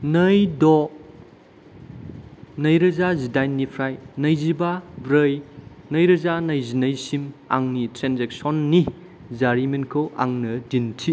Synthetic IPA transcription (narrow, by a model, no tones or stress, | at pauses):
nɐjdɔ | nɐjɾɐzazidajnːipʰɾajnɐjzibabɾɐjnɐjɾɐzanɐjzinɐjsima̰ŋnitɾenzek̚sɔnːi | zaɾimenkʰowa̰ŋnɐdintʰi